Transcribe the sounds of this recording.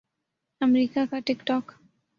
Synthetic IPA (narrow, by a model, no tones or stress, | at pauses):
əmɾikakaʈikʈɔk